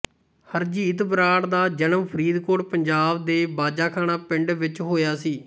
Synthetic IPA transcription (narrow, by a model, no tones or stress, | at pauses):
həɾd͡ʒiːt̪bɾaːɽd̪aːd͡ʒənəmpʰəɾiːd̪koːɽpəɲd͡ʒaːbd̪eːbaːd͡ʒaːkʰaːnaːpɪ̃ɳɖʋɪt͡ʃɦoːjaːsiː